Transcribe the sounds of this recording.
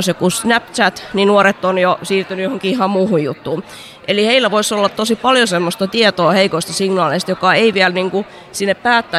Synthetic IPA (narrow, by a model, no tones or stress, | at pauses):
sjekusnæpt͡ʃæt̪ninuoret̪ːonjosiːrt̪ynyjohoŋkiihɑmmuːhujjṵt̪ːuː | ʔeliheilːæʋoisolːɑt̪t̪osipɑljosemːost̪ɑt̪iet̪oːheikoist̪ɑsiŋnɑːleist̪jokɑeiʋiælniŋku | sinːeppæːt̪ːæ